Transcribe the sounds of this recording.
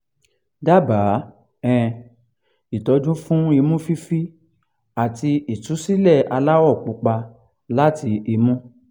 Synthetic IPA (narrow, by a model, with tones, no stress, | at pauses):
da˦baː˨˦ | ɛ̃˨ | i˨tɔ˧˦d͡ʒũ˦fũ˦i˧mũ˦fi˦fi˦ | a˨ti˧i˨tu˨˦si˦lɛ˦˨a˧la˦wɔ˦˨k͡pũ˧k͡pa˧ | la˦ti˧i˧mũ˦